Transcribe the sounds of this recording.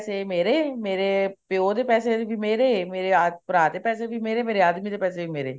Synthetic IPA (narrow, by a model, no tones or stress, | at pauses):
semeːɾeːmeːɾeːpjoːd̪eːpɛːsebʱiːmeːɾeːmeːɾeapəɾaːd̪eːpɛːsebʱiːmeːɾeːmeːɾeaːd̪miːd̪eːpɛːseːiːmeːɾḛː